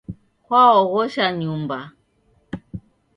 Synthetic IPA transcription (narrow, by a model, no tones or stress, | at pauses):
kwaɔɣɔʃaɲumba